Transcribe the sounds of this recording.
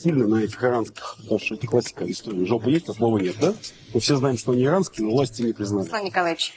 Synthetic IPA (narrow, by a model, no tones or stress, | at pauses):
sʲilʲnənɐɛtʲɪxɨɾanskʲɪ̥xt̪aʂɛt̪ɪklˠasʲːɪ̥kəɪst̪oɾʲɪːʐolˠpəjesʲtʲt̪ɐslˠo̞vənʲet̪̚d̪a | mɨfsʲe̞znajɪmʂt̪oɐnʲiɪɾanskʲɪːnəvlˠasʲtʲɪnʲɪpɾʲɪznalʲɪnʲɪkɐlˠavʲɪt͡ɕ